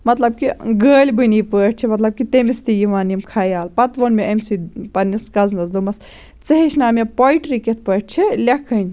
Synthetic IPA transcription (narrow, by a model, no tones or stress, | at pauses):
mɐt̪lɐb̚kiɡəːlʲbɨniːpəːʈ̚t͡ʃʰimɐt̪lɐb̚kit̪emist̪ijiʋaːnimkʰaːjaːlpɐt̪ʋonmeɐmsipɐnːiskɐznɐsd̪omɐs | t͡sɐɦeʃnaːmepojʈɾiket̪̚ʰpəːʈ̚ʰt͡ʃʰilʲɐkʰənʲ